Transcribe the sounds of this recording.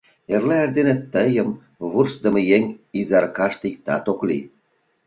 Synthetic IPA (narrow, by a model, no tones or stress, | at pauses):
erlæerd̪enĕt̪ːəjəm | βursd̪ə̆mĕjeŋʲizɑrkɑʃt̪ik̚t̪ɑ̰t̪oklḭ